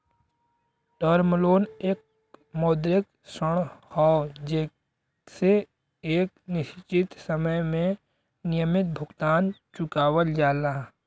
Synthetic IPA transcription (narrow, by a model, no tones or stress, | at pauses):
ʈɔːɾmloːneːk̚ | mɔːd̪ɾɪk | səɽ̃hɔːd͡ʒeː | se | eːknɪʃt͡ʃɪt̪səməjmẽ | nɪjəmɪt̪̚bʱʊɡt̪aːnt͡ʃʊkaːwəld͡ʒaːlaː